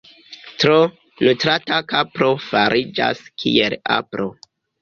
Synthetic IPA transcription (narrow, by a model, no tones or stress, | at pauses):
tɾo | lutɾatakapɾo̞faɾʔid͡ʒa̰skʰḭela̰pɾʔo